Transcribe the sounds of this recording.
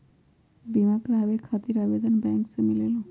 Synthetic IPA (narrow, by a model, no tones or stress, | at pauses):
bimakɾabekʰat̪iɾabed̪ɔnbɛŋksemilelo